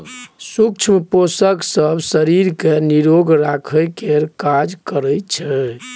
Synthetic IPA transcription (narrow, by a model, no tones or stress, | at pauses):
suk̚t͡ʃʰmposəksəbsəɾiɾkeniɾoɡɾakʰəjkeɾkad͡ʒkəɾəjt͡ʃʰɛ